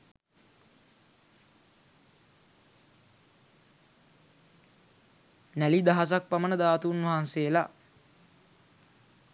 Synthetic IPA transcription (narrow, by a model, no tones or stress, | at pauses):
nælid̪aɦas̬ak̚pamənəd̪aːt̪uːnʋɐɦansejəla̰